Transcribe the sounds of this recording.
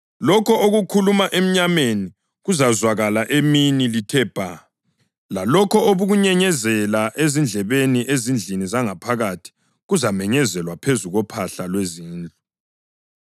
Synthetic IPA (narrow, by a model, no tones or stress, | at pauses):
lɔkʰɔʔoɣukʰulumaʔem̩ɲameni | ɣuzazwaɣalaʔeminilitʰɛb̥ʱa | lalɔkʰɔoβuɣuɲɛɲɛzɛlaʔezind͡ɮʱɛβeniʔezind͡ɮʱinizaŋapʰaɣatʰi̥ | ɣuzamɛɲɛzɛlwapʰezuɣɔpʰaɬalweziːnd͡ɮʱɔ